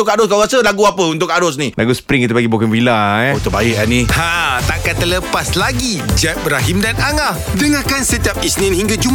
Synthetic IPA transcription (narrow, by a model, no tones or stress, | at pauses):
ʊkaɾɔskaɣasəlaɡuapəunt̪ʊkaɾɔs̬nilʔa̰ɡusə̥pɾɪŋkit̪əpaɡibokənfilaot̪ʊbaɪʔanihãt̪aʔkat̪ələpaslaɡid͡ʒɛt̚bɾaɦimdanaŋahdəŋakansət̪iap̚isnĩnɦiŋɡad͡ʒum